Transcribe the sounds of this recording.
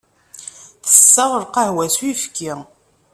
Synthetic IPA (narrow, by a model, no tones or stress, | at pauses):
θə̥sːəʁəɾqəhwæswifkːi